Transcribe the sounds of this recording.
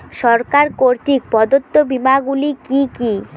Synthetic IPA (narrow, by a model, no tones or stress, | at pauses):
ʃɔɾkaɾkoɾt̪ik̚pɔd̪ot̪ːobimaɡulikiki